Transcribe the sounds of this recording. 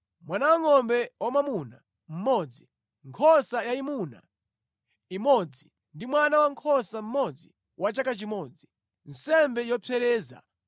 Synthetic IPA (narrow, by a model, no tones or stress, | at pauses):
mwanawaŋɔmbɛwamamuna | m̩mɔːd͡zi | ŋkʰɔsajaimuna̰ | imɔd͡zi | ndimwanawaŋkʰɔsam̩mɔd͡zi | wat͡ʃakat͡ʃimɔd͡zi | n̩sɛmbɛjɔpʰɛɾɛːza̰